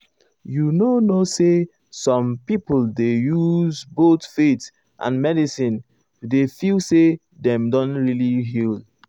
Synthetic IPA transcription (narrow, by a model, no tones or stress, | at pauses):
junonose | sɔ̃mpiplˠdejuzbotfet | ʔã̰nmɛdisĩn | defilse | dɛ̃mdɔ̃nɹiliɦil